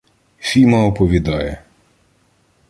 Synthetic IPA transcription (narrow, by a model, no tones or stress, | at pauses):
fʲimɐɔpɔʋʲid̪ɑjɛ